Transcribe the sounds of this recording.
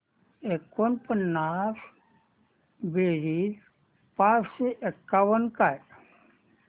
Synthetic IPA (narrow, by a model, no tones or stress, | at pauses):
ekonpənːaf | beːɾi | paːsseʔekːaʋənkaj